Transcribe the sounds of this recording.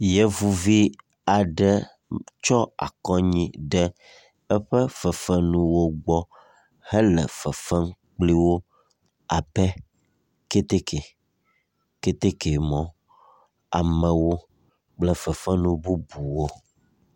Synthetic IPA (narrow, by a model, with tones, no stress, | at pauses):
jɛ˦vu˨vi˦ | a˨ɖɛ˦ | t͡ʃɔ˦a̰˨kɔ˦ɲĩ˦ɖɛ˦ | ɛ˦ɸɛ˦fɛ˨fɛ˦nũ˦wo˦ɡ͡bɔ˦ | hɛ˦lɛ̰˨fɛ˨fɛ˦ŋk͡pli˦wo˦ | a˨bɛ˦ | ke˦t̪e˦ke˨ | ke˦t̪e˦ke˨mɔ̃˦ | a̰˨mɛ̃˨wo˦ | k͡plɛ˦fɛ˨fɛ˦nũ˦bu˦bu˨wo˦